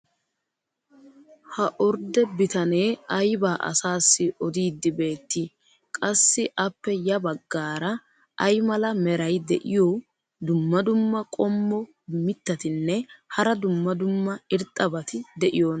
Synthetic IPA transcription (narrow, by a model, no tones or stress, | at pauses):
hɐʔɔɾd̪ɛbɪt̪ɐne̞ːɐjbaːʔɐ̰saːsːɪɔd̪iːd̪ːɪbe̞ːt̪ːɪ | kʼɐsːɪʔɐpːɛjɐbɐɡːaːɾɐ | ʔɐjmɐlɐmɛɾɐjd̪ɛ̰ʔɪjo | d̪ʊmːɐd̪ʊmːɐkʼɔmːɔ | mɪt̪ːɐt̪ɪnːɛhɐɾɐd̪ʊmːɐd̪ʊmːɐɪɾt̪ʼːɐbɐt̪ɪd̪ɛʔɪjoːn